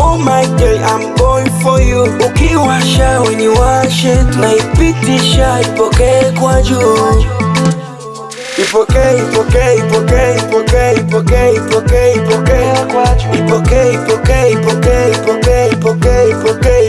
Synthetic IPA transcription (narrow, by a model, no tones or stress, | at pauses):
umaikɛʔam̩bɔifɔjoukiwaʃawɛɲɛwaʃɛnaipitiʃaipɔkɛkwad͡ʒu | ipɔkɛipɔkɛipɔkɛipɔkɛipɔkɛipɔkɛipɔkɛakwad͡ʒuipɔkɛipɔkɛipɔkɛipɔkɛipɔkɛipɔkɛ